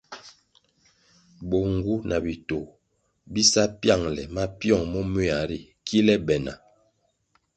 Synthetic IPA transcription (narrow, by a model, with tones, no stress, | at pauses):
bo˨ŋ˨ɡu˦na˨bi˨to˨ | bi˦sa˦pja˦˨ŋlɛ˨ma˦pjɔ˦˨ŋmɔ˦me˦˨a˨ɾi˨ | kʰi˦lɛ˦bɛ˨na̰˨